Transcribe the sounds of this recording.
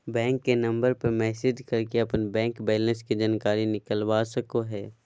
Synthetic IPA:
bɛ̃ːŋkːenɐ̃mbəɾpɐɾmɛːsɪd͡ʒkɐɾkeɐpənbɛ̃ːŋkbɛːlə̃nskid͡ʒankaːɾinɪkəlʋasəkoɦɛː

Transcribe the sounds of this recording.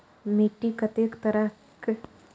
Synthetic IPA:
miʈːikɐt̪ekt̪ɐɾək

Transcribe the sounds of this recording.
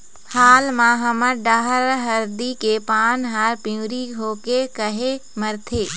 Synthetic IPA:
haːlmãːɦəməɖaɦəɾɦəɾd̪ikepaːnɦaːɾpĩwɾiɡʱoːkekəɦeməɾt̪ʰeː

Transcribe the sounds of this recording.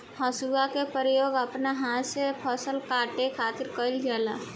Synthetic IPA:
həsuakepəɾjoːɡəpnaɦat̪sepʰəsəlkaːʈekʰaːt̪ɪɾkəɪld͡ʒaːla

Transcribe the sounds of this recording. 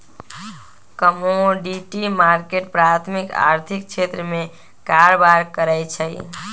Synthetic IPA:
kəmoɖiʈimaɾkeʈ̚pɾat̪ʰmika̰ɾt̪ʰik̚t͡ʃʰet̪ɾəme | kaɾbaɾkəɾəjt͡ʃʰəj

